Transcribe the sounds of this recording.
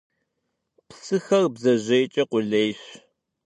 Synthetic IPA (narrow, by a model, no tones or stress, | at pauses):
psɨxɐrbzɐʑejt͡ʃʼɐqʷʊɮejɕ